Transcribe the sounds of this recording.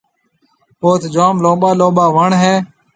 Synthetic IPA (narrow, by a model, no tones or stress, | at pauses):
poːt̪d͡ʒaːmlõːɓaːloːɓaːʋəɳɦeː